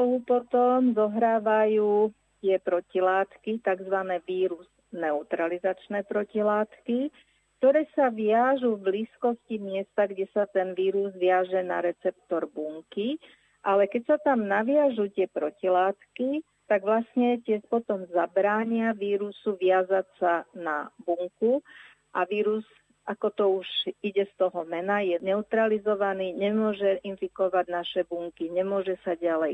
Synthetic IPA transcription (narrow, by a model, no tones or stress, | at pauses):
t̪ɔɦupɔt̪ɔmzɔɦɾaːʋajuː | t̪ɪɛpɾɔcilaːt̪kit̪aɡzʋanɛːʋiːɾuz̥ | nɛut̪ɾalizat͡ʃnɛːpɾɔcilaːt̪ki | kt̪ɔɾɛːsaʋɪaʒuvbliːskɔscimɪɛst̪aɡɟɛsat̪ɛnʋiːɾuzʋɪaʒɛna̰ɾɛt͡sɛp̚t̪ɔɾbuŋki | ʔalɛkɛcsat̪amnaʋɪaʒut̪ɪɛpɾɔcilaːt̪ki | t̪aɡʋlasɲɛcɪɛʃpɔt̪ɔmzabɾaːɲɪaʋiːɾusuʋɪazasanabuŋku | ʔaʋiːɾuz | ʔakɔt̪ɔuʒiɟɛst̪ɔɦɔmɛnajɛnɛut̪ɾalizɔʋaniːɲɛmʊɔʒɛʔinfikɔʋaɟnaʃɛbuŋkiɲɛmʊɔʒɛsaɟalɛj